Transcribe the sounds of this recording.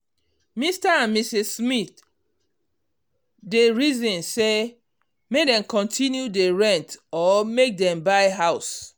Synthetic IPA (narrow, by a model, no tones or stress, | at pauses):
mistaãnmisissmiθ | deɹizɔ̃nse | medɛ̃mkɔ̃ntʰĩnjudeɹɛ̃ntɔmek̚dɛ̃mbaɪɦaʊs